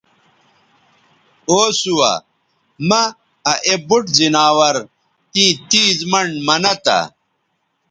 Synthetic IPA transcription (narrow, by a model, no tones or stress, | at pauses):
oːsuwɐ̰ | mɐ | ɐʔebuʈzinaːwɐɾ | t̪ĩːt̪iːzmɐɳɖmɐnɐt̪a̰